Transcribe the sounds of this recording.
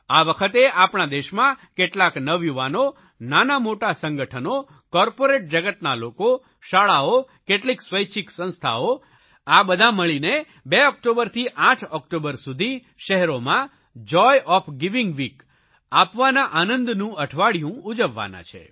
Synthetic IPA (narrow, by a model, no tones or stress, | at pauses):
aʋəkʰət̪eapɳad̪eʃmãkeʈlaknəʋjuʋano | nanamoʈasə̃ŋɡəʈʰəno | kɔɾpoɾeʈ̚d͡ʒəɡət̪naloko | ʃaɭao | keʈliksʋəjt͡ʃʰiksə̃ñst̪ʰa̰o | abəd̪ʱaməɭine | beɔk̚ʈobəɾt̪ʰiʔaʈʰɔkʈobəɾsud̪ʱi | ʃəɦɛɾomã | d͡ʒɔjʔɔfɡiʋiŋɡʋik | apʋanaʔanənd̪nũəʈʰʋaɭjũud͡ʒəʋːa̰na̰t͡ʃʰḛ